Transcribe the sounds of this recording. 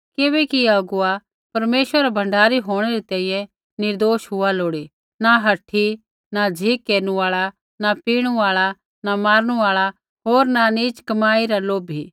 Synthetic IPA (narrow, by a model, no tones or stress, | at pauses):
kebɛkiɐɡʊa | pɐɾmeːʃəɾabʱɐ̃ɳɖaːɾiɦoːɽ̃ɛɾit̪ɛ̃ːĩːjɛ̃ | nɪɾd̪oːʃɦʊaloːɽi | naɦɐʈʰːi | nad͡ʒʱikːeːɾnuaːɭa | napiːɽ̃uaːɭa | namaːɾɽ̃uaːɭa | ɦoːɾnaniːt͡ʃkɐmaːiɾaloːbʱi